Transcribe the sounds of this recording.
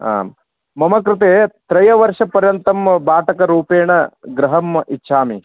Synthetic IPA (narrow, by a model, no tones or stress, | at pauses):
a̰ːm | mɐmɐkɾut̪eːt̪ɾɐjɐʋɐɾʂɐpɐɾjɐnt̪ɐmbaːʈɐkɐɾuːpeːɳɐɡɾɐɦɐmʔitːʃʰaːmi